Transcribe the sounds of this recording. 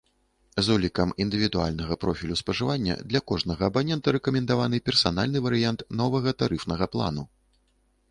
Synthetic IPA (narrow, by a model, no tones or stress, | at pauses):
zɔlʲikɐmind̪ɨvʲid̪ua̰lʲnɐɣɐpɾɔfʲilʲuspɐʐɨvanʲːɐ̰d̪lʲɐkɔʐnɐɣɐːbanʲɛnt̪ɐɾɛkɐmʲɛnd̪avanɨpʲɛrsan̪alʲnɨvɐɾɨjant̪nɔvɐɣɐt̪aɾɨfnɐɣɐplˠa̰nu